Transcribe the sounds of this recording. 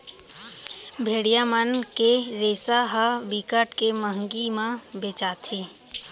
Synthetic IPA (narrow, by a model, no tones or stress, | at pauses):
bʱeːɽijamənkeɾeːsaɦabikəʈkeməɦŋɡimãbeːt͡ʃaːt̪ʰeː